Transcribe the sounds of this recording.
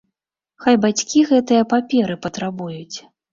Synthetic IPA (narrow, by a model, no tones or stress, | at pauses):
xajbat͡sʲkʲiɣɛt̪ɨjɐpapʲɛɾɨpɐt̪ɾabujut͡sʲ